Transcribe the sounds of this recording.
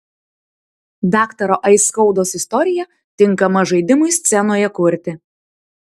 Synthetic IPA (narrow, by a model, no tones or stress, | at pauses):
d̪ɑːkt̪ɐɾoʔɐɪskɒʊd̪oːsɪst̪ɔɾʲɪjɛ | t̪ʲɪŋˑkɐmɐʒɐɪd̪ʲɪmʊɪsʲt̪sʲɛnoːjɛkʊɾʲt̪ʲɪ